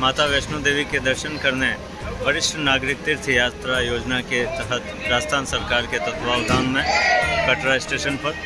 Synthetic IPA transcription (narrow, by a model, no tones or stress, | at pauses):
maːt̪aʋeːʃnod̪eːʋiked̪ɐɾʃənkɐɾne | ʋɐɾɪʃʈʰənaːɡɾɪk̚t̪ɪɾt̪ʰijaːt̪ɾajoːd͡ʒnaket̪əɦət̪ɾaːd͡ʒt̪ʰaːnsɐɾkaːɾket̪ɐt̪ʰʋaːʋd̪ʱaːnmẽkɐʈɾaɪsʈeːʃənpɐɾ